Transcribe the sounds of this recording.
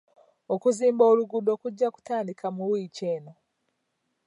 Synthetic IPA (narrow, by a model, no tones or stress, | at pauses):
okuziːmbo̞ːluɡudo̞ːkuɟːaku̥taːndikʰamuwiːceːno̞